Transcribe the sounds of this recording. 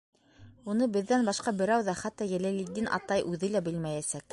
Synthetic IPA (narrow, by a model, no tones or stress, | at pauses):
unɤbɘ̆ðːænbɑʃqɑbɘ̆ɾæwðɑχæt̪ːɑjæ̆lælid̪inʔɑ̰t̪ɑjʔʉðɘlæbɘlmæjæsæk̚